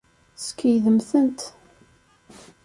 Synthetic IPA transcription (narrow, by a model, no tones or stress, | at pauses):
skəjðəmθənt̪